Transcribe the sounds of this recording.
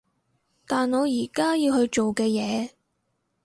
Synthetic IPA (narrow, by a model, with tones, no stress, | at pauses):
t̪aː˨nɔː˨˧jiː˨˩kaː˥jiː˧whɵ˧ɥt͡ʃo˨wkɛː˧jɛː˨˧